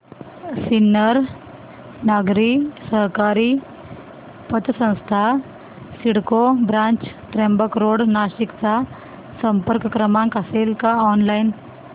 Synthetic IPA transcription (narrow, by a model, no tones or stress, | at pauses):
sinːəɾ | naɡɾisəɦkaɾiː | pət̪sə̃w̃st̪ʰa | siɽkobɾãɲt͡ɕt̪ɾembəkɾoɽnaɕikt͡sa | səmpəɾkkɾəmãŋkaselkaɔnlain